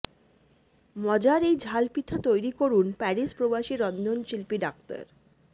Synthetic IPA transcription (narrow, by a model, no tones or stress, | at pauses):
mɔd͡ʑaɾejd͡ʑʱalpiʈ̪ʰːat̪ojɾikoɾunpɛɾispɾobaʃiɾɔnd̪ʱonʃilpiɖak̚t̪a̰ɾ